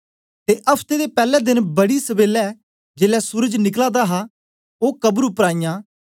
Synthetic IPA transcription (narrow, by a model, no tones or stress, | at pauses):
t̪eːʔɐpʰt̪eːd̪eːpɛːlɛːd̪ɪnbəɽisəbeːlɛ | d͡ʒeːlɛsʊɾəd͡ʒnɪklaːd̪aɦa | oːkəbɾʊpɾaːijãː